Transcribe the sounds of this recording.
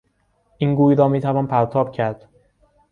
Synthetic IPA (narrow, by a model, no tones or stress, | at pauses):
ʔiːnɡuːjɾɒːmiːt̪ʰævɒːnpʰæɾt̪ʰɒːb̥̚cʰæɾd̪̥